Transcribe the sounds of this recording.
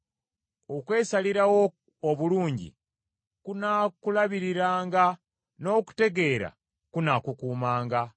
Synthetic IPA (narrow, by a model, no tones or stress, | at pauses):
okwe̞ːsaliɾawo | oβuluːɲɟḭ | kunakulaβiɾiɾaːŋɡa | no̞ːku̥te̞ɡe̞ːɾa̰ | kunakukuːmaːŋɡa